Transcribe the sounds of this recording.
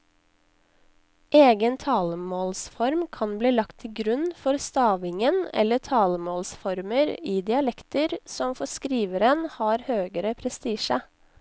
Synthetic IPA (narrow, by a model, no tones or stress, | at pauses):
ʔeːɡənt̪ʰɑːləmoːlsfɔɾmkʰɑnbliːlɑkt̪ʰːɪlɡɾʉnfɔɾst̪ɑːʋɪŋənɛ̰lːəʈʰɑːləmoːlsfɔɾməɾiːd̪ɪɑlɛkt̪əɾsɔmfɔskɾiːʋəɾənhɑːɾhøːɡəɾəpʰɾɛst̪iːʃə